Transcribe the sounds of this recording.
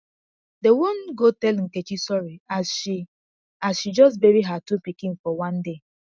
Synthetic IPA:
dewonɡotɛlŋ̩ket͡ʃisɔɹiaʃi | asʃid͡ʒɔstbeɾiɦatupikĩnfɔwãnde

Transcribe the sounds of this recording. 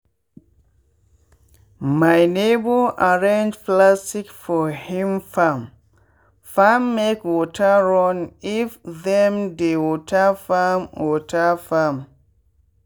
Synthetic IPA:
majnebəʔaɹẽnd͡ʒplastikfɔhĩmfam | famːekwɔtʰəɹɔ̃nifðɛ̃mdewɔtʰəfamwɔtʰəfam

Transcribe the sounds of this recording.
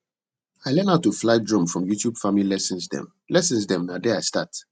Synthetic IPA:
aɪlɛ̃naʊtːuflaɪdɹɔ̃mfɹɔ̃mjutʰjubfamlilɛsə̃nsdɛ̰̃m | lɛsə̃nsdɛ̃mnadɛaɪsta̰t

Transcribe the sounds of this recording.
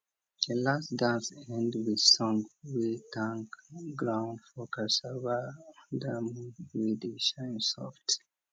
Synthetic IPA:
ilasdãnsɛ̃ndwiðsɔ̃ŋwitʰãŋkɡɹãʊ̃ndfɔkasavədamwidiʃãnsɔ̰ft

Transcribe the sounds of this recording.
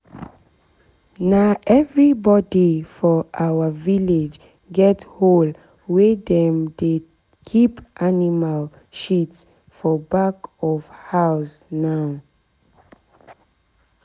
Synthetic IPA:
naʔɛvɹibɔdifɔʔawəviled͡ʒ | ɡɛthol | wedɛ̃mde | kʰipʔanimal | ʃits | fɔbakɔfhaʊsnaʊ

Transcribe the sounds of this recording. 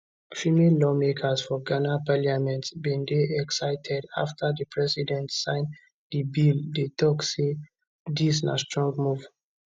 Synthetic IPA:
fimenlɔmekʰasfɔɡanapaliamɛ̃ntsbɛ̃ndeɛksaɪtʰɛda̰ftʰadəpʰɹɛsidɛ̃ntsãɪ̃n | dibildetʰɔkse | disna̰stɹɔ̃ŋɡmuv

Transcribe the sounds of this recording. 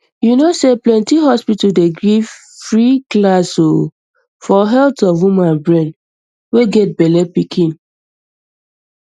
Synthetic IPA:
junoseplɛ̃ntiɦɔspitudeɡɹif | fɹiklaso | fɔɦɛltɔfwumãnbɹɛ̃n | weɡɛt̚bɛlɛpikʰĩn

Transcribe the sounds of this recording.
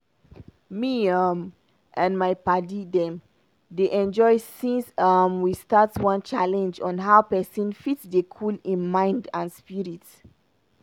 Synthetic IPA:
miam | ʔãnmajpadidɛ̃m | deʔɛ̃nd͡ʒɔɪsĩnsʌmwistatswãnt͡ʃalɛ̃nd͡ʒɔ̃nɦawpɛsɔ̃nfitsdekʰulĩnmãɪ̃ndãnspiɹit

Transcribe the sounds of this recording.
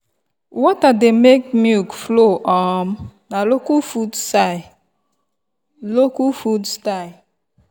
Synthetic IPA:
wɔtademek̚mjukfloʔɔmnalokufudsaɪ | lokufudstaɪ

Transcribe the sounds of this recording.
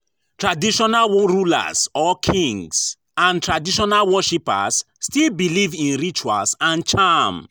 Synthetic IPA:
tɹadiʃɔnalwɔɹula̰sɔkʰĩŋs | ãntʰɹadiʃɔnalwɔʃipa̰sːtilbilivĩnɹit͡ʃua̰lsãnt͡ʃam

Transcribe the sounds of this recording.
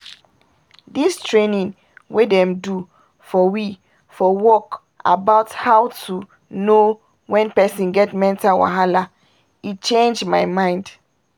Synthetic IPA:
distɹenĩn | wedɛ̃mdu | fɔwi | fɔwɔk | ʔa̰baʊthawtʰu | no | wɛ̃npɛsĩnɡɛtmɛ̃ntawã̰ɦala | it͡ʃẽnd͡ʒmajmãɪ̃nd

